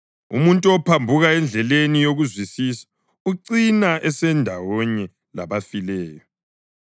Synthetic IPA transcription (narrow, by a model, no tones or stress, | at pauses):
ṵmuntʼuɔpʰambʱuɣaɛnd͡ɮʱɛlenijoɣuzwisisḁ | uǀinaʔɛsɛndʱawɔɲɛ | la̰βafilɛːjɔ